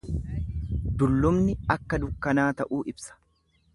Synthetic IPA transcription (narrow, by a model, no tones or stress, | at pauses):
d̪ʊlːʊmnɪɐkːɐd̪ʊkːɐnaːt̪ɐʔuːʔɪbsɐ̥